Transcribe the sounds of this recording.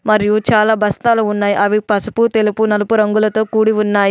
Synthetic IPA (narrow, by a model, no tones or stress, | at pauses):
mɐɾijut͡ʃaːlaːbɐst̪aːluunːaːjiʔɐʋipɐsu̥put̪e̞lupunɐlɐpuɾɐŋɡulɐt̪o̞ːkuːɽiʋunːaːji